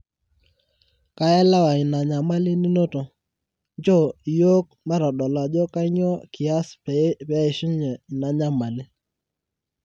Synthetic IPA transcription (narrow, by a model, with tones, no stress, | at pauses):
ka˦ɛ˦la˦wa˨i˨na˨ɲa˨ma˦li˦ni˦no˦to˨ | nd͡ʒo˦˨jo˦k | ma˦ɾɔ˨ɗɔ˨la˨d͡ʒɔ˦ka˦ɲɔ˦ki˨a˦spa˦ɪ˨ʃi˦ɲɛ˨na˨ɲa˦ma˨li˦